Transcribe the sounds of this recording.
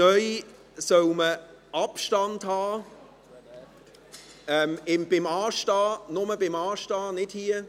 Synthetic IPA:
œʏ | sœwmə | ʔɑpʃtɑnthɑː | ɛːmɪmb̥ɪmɑːʃtɑːnʊməbɪmɑːʃtɑːnɪdhiə

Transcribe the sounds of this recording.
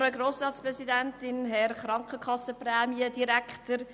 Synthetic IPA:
ɾəɡɾoːsɑːtspɾɛsidæntɪnɦɛɾχɾɑŋkχəkʰɑsəprɛːmiəd̥iɾækχtəɾ

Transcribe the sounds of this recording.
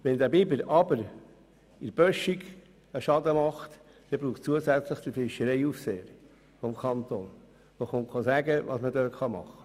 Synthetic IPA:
ʋɛnd̪æbɪbəlɑbəɾ | ɪɾb̥œʃiɡ | əʃɑdəmɑχt̪ | d̥ɛbɾuːχt͡suəsæt͡sləχd̪̥əfɪʃəɾɛɪufseːəɾ | fɔmkʰɑnt̪on | ʋoχoŋkχɑsæɡəʋɑ̰smədøːtχɑmɑ̰χə̥

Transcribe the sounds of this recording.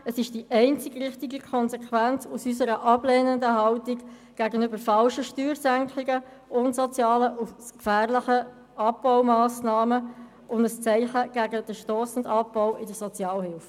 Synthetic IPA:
əsɪʃd̥iʔɛɪnt͡sɪɡʁɪχtɪɡəkʰɔnzɛkʰʋænt͡susysəɾəʔɑb̥lɛːnəndəɦɑltik | ɡ̥æɡənʏbəɾfɑlʃəʃtyːɾsæŋkʰɪɡə | ʔʊntsɔt͡sjɑːləʔuskfæːʁlɪχə | ɑp̚b̥ɔʊmɑːsnɑːmə | ʔʊndəst͡sɛɪχəɡ̥æɡəd̥əʃtɔːsn̩dɑpb̥ɔʊɪdəsɔt͡sjɑːlhɪlf

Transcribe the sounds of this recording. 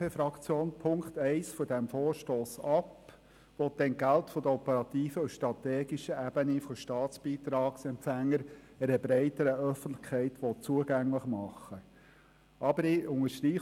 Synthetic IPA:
efɾɑkt͡sjoːnpʰʊŋkt̪ɛɪsfɔdɛmfɔːɾʃtoːsɑp | ʋɔt̚d̥ɛnɡæltfɔd̥əɔpəɾɑt̪iːfəusʃtɾɑtɛːɡiʃəʔæb̥ənifɔʃtɑːtt͡sb̥iːt̪ɾɑːksɛmpfæŋːəɾ | ɛɾəbɾɛɪtəɾəœfən̩tlɪ̥xkʰɛɪtʋɔt̚t͡suəɡæŋləχmɑχːə | ʔɑbəɾɪʊŋəʃtɾiː

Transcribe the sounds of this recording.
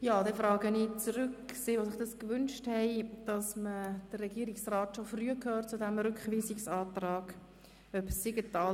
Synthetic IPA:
jɑːdɛfɾɑːɡənit͡sɾʏkseʋosɪχd̥ɑskvʏnʃthɛɪd̥ɑsməd̥ərːɛɡiːəɾiksraːtʃofryːəkʰhøːt̚t͡sudɛmɾʏkχviːsɪksɑːtrɑːɡ̥ | œbsiɡətɑː

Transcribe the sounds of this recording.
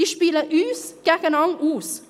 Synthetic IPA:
iʃpiːləʔyːsɡ̥ɛɡənɑŋʔuːs

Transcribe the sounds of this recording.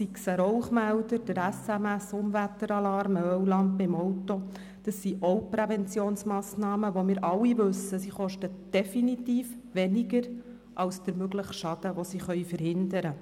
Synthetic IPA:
siksəɾɔʊχmæld̪əɾd̥əɾæsæmæsʊmvæt̪ːəɾɑlɑɾməœwlɑnd̚bɪmɔwt̪o | d̥əsːiʔowpɾɛvɛnt͡sjoːnsmɑːsnɑːməʋomɪːɾʔɑlːiʋɵsəsiχɔʃtəd̥ɛfinit̪iːf | ʋɛniɡəɾ | ʔɑwsd̥̪əɾmøɡləχʃɑd̥̪əʋosiχœʏjfəɾhɪnd̪əɾə

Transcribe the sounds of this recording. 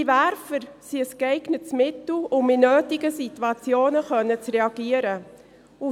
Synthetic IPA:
ivæɾfəɾsiəskɛɪɡ̥nətt͡smɪtl̩ʊmɪnøːtɪɡəsitwɑt͡sjoːnəχœnːət͡srɛɑɡiəɾə | u

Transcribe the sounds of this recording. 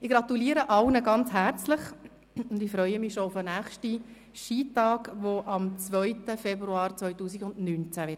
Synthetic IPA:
ɪɡ̥ɾɑt̪uliːəɾəʔɑlnəɡɑnt͡sɦært͡slɪχ | ʊndɪfɾœʏəmɪʃoʊfənæːχʃti | ʃiːtɑːɡʋoʔɑmt͡sʋœʏtəfɛbɾuɑːɾt͡svœʏtuːsiɡʊndnynt͡sævɪt

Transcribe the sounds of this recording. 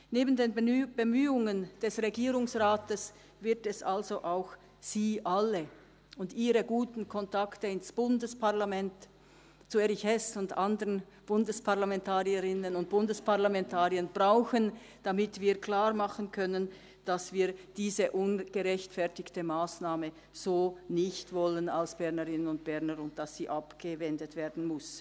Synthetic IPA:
neːbən̩deːnb̥əmyːʊŋənd̥ɛsʁeɡiːʁʊŋsʁaːtəs | vɪɐtɛsalzoʔaʊx | z̥iːʔalə | ʊndiːʁəɡuːtn̩kʰɔntaktəɪnsb̥ʊndəspʰaʁlamɛnt | t͡sueʁɪçɛsʊndʔandəʁən | b̥ʊndəspʰaʁlamɛntʰaːʁiəʁɪnənʊnt̚b̥ʊndəspʰaʁlamɛntʰaːʁiənb̥ʁaʊxən | d̥amɪtv̥iːɐkl̥aːʁmaχənkʰœnən | d̥asv̥iːɐd̥iːzəʔʊnɡ̥əʁɛçtfɛɐtɪçtəmaːsnaːmə | z̥oːnɪçtv̥ɔlənalsb̥ɛʁnəʁɪnənʊntb̥ɛnəɾʊnt̚d̥asːiːʔapɡ̥əvɛndətv̥eːɐdn̩mʊs

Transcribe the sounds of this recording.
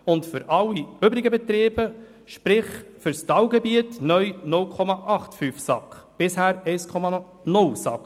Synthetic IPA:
ʊntfʏɾʔɑlːiøbɾɪɡəbɛt̪ɾeːb̥ə | ʃpɾɪχfʏɾstɑwɡɛbiətnœjnʊlkʰɔmɑʔɑχtfyfsɑkχb̥ɪshæːɾɛɪskʰɔmɑ | nʊlsɑ̰k

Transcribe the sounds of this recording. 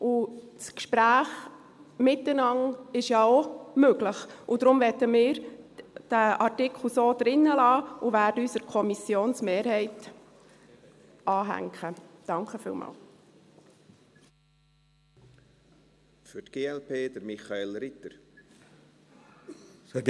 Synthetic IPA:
ʊ | skʃpɾæːχ | mɪtːənɑŋɪʃjɑomøɡ̥ləχʊd̥ɾʊmʋɛtəmɪːɾd̥æʔɑrtɪkʰl̩ˠsoːd̥̪ɾɪnːəlɑːuvæːɾdəysəɾkʰɔmisjoːnsmeːɾɦɛɪt | ɑːɦæ̰ŋkʰəd̥ɑŋkəfḭːlmɑ̰ːl | fʏtɡ̥eːɛlpʰeːd̪əɾmiχɑelɾɪt̪əɾ

